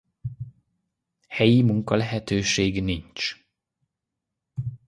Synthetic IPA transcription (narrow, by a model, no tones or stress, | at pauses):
hɛjimuŋkɒlɛɦɛt̪øːʃeːɡnint͡ʃ